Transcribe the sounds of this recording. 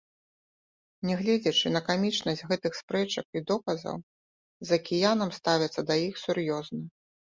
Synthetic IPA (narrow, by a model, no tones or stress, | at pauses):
nʲɛɣlʲɛd͡zʲɐt͡ʂɨnɐkamʲit͡ʂnɐsʲtʲɣɛt̪ɨxspɾɛt͡ʂɐkid̪ɔkɐzɐ̰w | zɐkʲijanɐmst̪avʲɐt̪sːɐd̪ɐjixsuɾjɔznɐ